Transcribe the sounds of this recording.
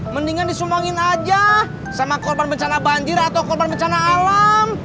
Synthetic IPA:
məndiŋandisumaŋɪnad͡ʒa | samakɔrbanbəɲt͡ʃanabaɲd͡ʒɪrat̪awkɔrbanbəɲt͡ʃanaːlam

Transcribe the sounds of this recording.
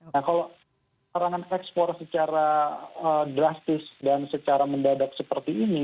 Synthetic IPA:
akalo | aɾaŋanɛkspɔrsət͡ʃaɾaədɾast̪ɪsdansət͡ʃaɾaməndadak̚səpərt̪iːni

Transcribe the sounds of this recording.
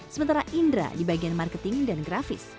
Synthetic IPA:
səmənt̪aɾaʔindɾa̰dibaɡianmarkət̪ɪŋdanɡɾafɪ̰s

